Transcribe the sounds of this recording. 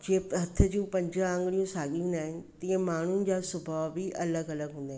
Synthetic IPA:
d͡ʑĩːɦɐt̪ʰəd͡ʑũːpɐ̃ɲd͡ʑaə̃ŋɡɽijũsaːɠijũːnd̪aːɦɪnɪ̆t̪ĩːə̃maːɳ̤ʊnɪ̆d͡ʑaːsʊbʱaʋbɪʔɐləɡɐləɡɦũːnd̪ãː

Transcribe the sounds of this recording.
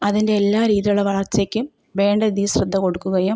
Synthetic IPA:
ɐðinde̞elːaːɾiːðijuɭeʋɐɭɐrt͡ɕːeːkʲːum | ʋe̞ːɳɖɐiðijiɕrɐd̪ʱːɐko̞ɽukːuɣɐju

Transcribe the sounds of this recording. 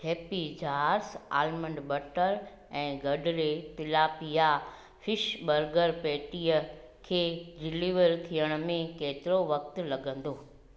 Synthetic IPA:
ɦeːpid͡ʑʱaːɾsa̰ːlmə̃ɳɖbɐʈəɾ | ɛ̃ːɡɐɖʱɾet̪ɪlaːpija | fɪʃɓɐɾɡəɾpeːʈijə | kʰeːɖɪliːʋəɾt̪ʰijəɽ̃ə̆mẽkeːt̪ɪɾoʋɐk̚t̪̆lɐɡə̃nd̪oː

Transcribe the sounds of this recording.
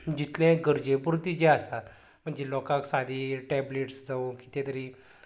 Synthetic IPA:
d͡ʑit̪lɛ̃ɡəɾd͡ʑepuɾt̪id͡ʑeasa | m̤əɳd͡ʑelɔkãksad̪ʱiːʈɛbleʈsd͡zauki̥t̪ẽt̪əɾiː

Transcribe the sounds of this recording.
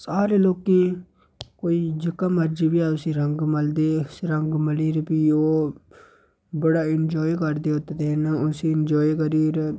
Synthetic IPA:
saːɾeːloːkẽː | koːiːd͡ʒəkãːməɾd͡ʒiːʋiaːʊsĩːɾəŋɡməld̪eːsɾəŋɡməliːɾpiːoː | bəɽaːɪnd͡ʒɔːikəɾd̪eːɦot̪et̪enaʊsĩːɪnd͡ʒɔːikəɾiːɾ

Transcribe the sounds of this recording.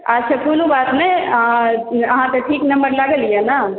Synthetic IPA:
at͡ʃʰəkunubat̪mẽ | əɦãt̪ɔ̃ʈʰiːknəmbəɾlaɡəlijɛna

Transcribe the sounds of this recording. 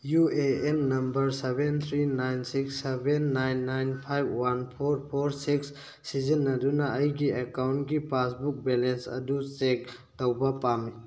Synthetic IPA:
jueenːɐmbɐɾsebent̪ʰɾinajnsiksːebenːajnːajnpʰajbwanpʰoɾpʰoɾsiksː | izənːɐdunaɐjɡiekawntɡipasbuk̚bɛlensɐ̰dusek̚ | təwbapame

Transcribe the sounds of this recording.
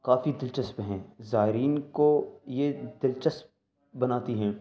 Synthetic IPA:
kaːfid̪ɪlt͡ʃəspɦɛ̃ːzaːɪɾiːnkojed̪ɪlt͡ʃəsp̚ | bɐnaːt̪iɦɛ̃ː

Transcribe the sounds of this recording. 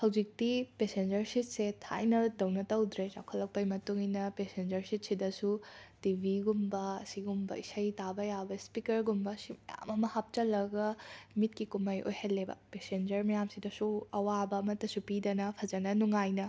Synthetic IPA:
hɐwd͡ʒik̚tipesend͡ʒɐɾsit̚setʰa̰jnɐdɐwnɐtɐwd̪ɾed͡ʒa̰kʰɐlːɐk̚pɐjmɐtuŋinɐpesend͡ʒɐɾsit̚sidɐsutibʱiɡumbɐɐsiɡumbɐ̰isɐjtabɐjabɐspikɐɾɡumbɐsimɐja̰mɐmɐhap̚t͡ʃɐlːɐɡɐmit̚kikumɐjʔo̰jhɐlːebɐ̰pesend͡ʒɐɾmɐjamsidɐsuɐwabɐːmɐtːɐsupidɐnɐpʰɐd͡ʒɐnɐnuŋajnɐ

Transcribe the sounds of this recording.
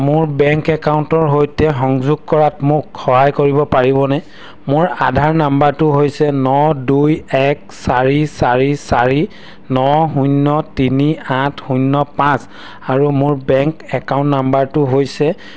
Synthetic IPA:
mʊɹbɛŋkɛkawʊntɔɹɦojtɛxɔŋzʊɡ̚kɔɹatmʊkxɔɦajkoɹibɔpaɹibɔnɛ | mʊɹadʱaɹnambaɹtʊɦojsɛnɔdujɛk | saɹisaɹisaɹi | nɔɦunːɔtiniatʰhunːɔpãs | aɹumʊɹbɛŋkɛkawntnambaɹtʊɦojsɛ

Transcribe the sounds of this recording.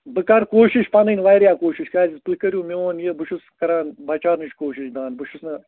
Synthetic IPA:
bɨkaɾkoːʃiʃpɐnɨnʋɐjɾʲjaːkoːʃiʃkazʲispɨkɐɾʲjumʲioːnjebɨʃuskɐɾaːnbɐt͡ʃaːnɨʃkoːʃiʃʲd̪aːnbɨʃusnɐ

